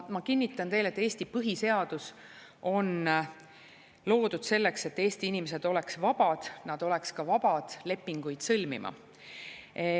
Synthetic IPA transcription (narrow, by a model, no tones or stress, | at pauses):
mɑkinʲːit̪ːˑɑnt̪e̞jlet̪ːˑe̞ːsʲt̪ipɤɦise̞ɑd̪̥us | o̞n | lo̞ːd̪ud̪̥se̞lːe̞kse̞t̪ːe̞ːst̪iinimese̞d̪o̞le̞ksvɑb̥ɑd̪̥nɑd̪̥o̞lɛkskɑvɑb̥ɑd̪̥le̞pːiŋɡ̥ujd̪̥sɤlmḭmʔɑ̰